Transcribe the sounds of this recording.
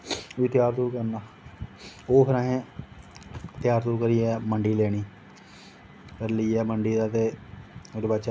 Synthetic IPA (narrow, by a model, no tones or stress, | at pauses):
iːt̪jaːɾt̪uːkəɾnaː | oːpʰɪɾãːɦẽː | t̪jaːɾt̪uːkəɾiːɛːməɳɖiːleːɽ̃iː | pʰəɾləiːɛːməɳɖiːd̪aːt̪eːeɖbəːt͡ʃa